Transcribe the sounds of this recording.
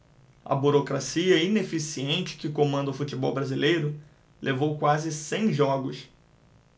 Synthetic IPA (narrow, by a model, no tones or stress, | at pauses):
ɐ̰buɾokɾasiɐinefisiẽnt͡ʃɪ̥kɪkomɐ̃nd̪ɐʊfut͡ʃibɔwbɾazilejɾʊ | lʔevowkwazɪsẽj̃ʒɔɡʊs